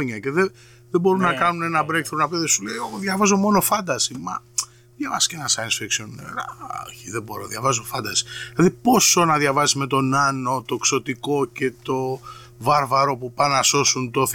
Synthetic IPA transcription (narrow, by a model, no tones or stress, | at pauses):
ɲɐce̞ðe | ðebo̞ɾunɐkɐnune̞nɐbɾekθoɾnɐpeðesulejoɣoðjʝɐvɐzo̞mo̞no̞fɐnd̪ɐsimɐ̰ | ðjɐvɐsi̥scenɐsɐinsfekʃoneɾɐ̰o̰çiðebo̞ɾoðjɐvɐzo̞fɐnd̪ɐsi̥lɐðipo̞sonɐðʝɐvɐzizme̞t̪o̞nɐno̞t̪o̞kso̞t̪iko̞ce̞t̪o̞ | vɐɾvɐɾo̞pupɐnɐso̞sunt̪o̞θ